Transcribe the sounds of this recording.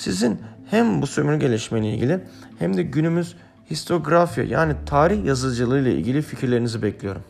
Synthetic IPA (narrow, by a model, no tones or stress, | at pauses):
sizinhæmbusømyɾʲyɟelʲeʃmɛjlʲɛḭlʲɟʲilʲi | hæmd̪ɛɟynymyz̥ | hist̪ʰo̞ɡɾafja̰ja̰ːnit̪ʰaːɾiçjazɯlˠd͡ʒɯlˠɯjlˠaḭlʲɟʲilʲificʰiɾlʲe̞ɾinizibɛclʲijo̞ɾum